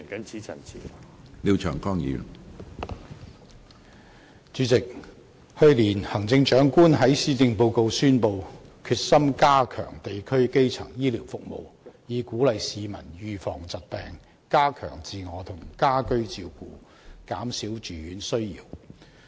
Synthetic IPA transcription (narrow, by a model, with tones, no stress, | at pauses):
ŋkɐ˨˥nt͡sʰi˨˥t͡sʰɐ̰˨˩nt͡sʰiː˨ | li˨˧wt͡ʃʰœː˨˩ŋkɔː˥ŋjḭː˨˥ | t͡ʃyː˨˧˥t͡sɪ˨k̚ | hɵ˧ɥliː˨˩nhɐ˨˩ŋt͡sɪ˧ŋt͡ʃœː˨˥ŋkuː˥nɦɐ˨˥jsiː˥t̪ɪ˧ŋpo˧wko˧wsyː˥npo˧wkʰyː˧t̚sɐ˥mkaː˥kʰœ̰ː˨˩ŋt̪e˨jkʰɵ˥ɥke˥jt͡sʰɐ̰˨˩ŋjiː˥liː˨˩wfʊ˨k̚mo̰˨wjiː˨˧kuː˨˥lɐ˨jsiː˨˧mɐ˨˩njyː˨˧fɔ̰ː˨˩ŋt͡sɐ˨t̚pɛː˨˧ŋ | kaː˥kʰœ̰ː˨˩ŋt͡siː˨˧ŋɔː˨˧t̪ʰʊ˨˩ŋkaː˥kɵ˥ɥt͡siː˧wkuː˨˧ | kaː˨˥msiː˨˥wt͡ʃyː˨˥ɥyː˨˥nsɵ˥ɥjḭː˨˩w